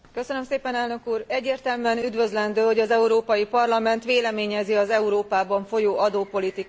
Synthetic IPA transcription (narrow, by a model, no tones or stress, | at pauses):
kø̞sønø̞mseːpɛnɛlnø̞kuːrɛɟːeːrt̪ɛlmyɛnyd̪ʋø̞zlɛnd̪øːho̞ɟɒzɛuɾoːpɒjipɒrlɒmɛnt̪ʋeːlɛmeːɲɛziɒzɛuɾoːpaːbɒɱfo̞joːʔɒd̪oːpo̞lit̪ik